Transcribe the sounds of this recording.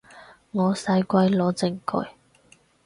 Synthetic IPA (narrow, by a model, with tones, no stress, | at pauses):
ŋɔː˨˧sɐ˧jkʷɐ˧jlɔː˨˧˥t͡sɪ˧˩ŋkɵ̰˧j